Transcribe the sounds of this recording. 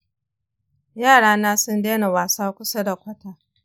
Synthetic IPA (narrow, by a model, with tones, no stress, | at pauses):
jaː˦˨ɽaː˦naː˦sʊ˦ndeː˦na˨waː˨saː˦kʷʊ˦sa˦da˨kʷɐ˦taː˨